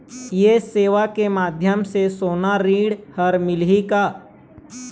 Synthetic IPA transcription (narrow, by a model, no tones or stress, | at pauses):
jeseːʋakemaːd̪ʱjəmsesoːnaɾiːɽhəɾmɪlɦikaː